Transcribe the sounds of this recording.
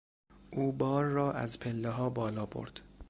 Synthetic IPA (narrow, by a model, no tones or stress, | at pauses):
ʔuːbɒːɾːɒːʔæ̰zpʰelːeɦɒːbɒːlɒːbo̰ɾd̪̥